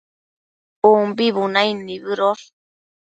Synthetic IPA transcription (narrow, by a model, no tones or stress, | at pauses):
umbiβunaijniβɨɾos